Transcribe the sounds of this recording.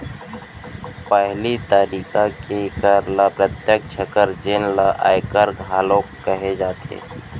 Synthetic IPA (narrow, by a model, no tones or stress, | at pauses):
pəɦlit̪əɾiːkakekəɾlapɾət̪jək̚t͡ʃʰəkəɾd͡ʒeːnlaʔa̰ːjkəɾɡʱɦaːlokːəɦed͡ʒaːt̪ḛː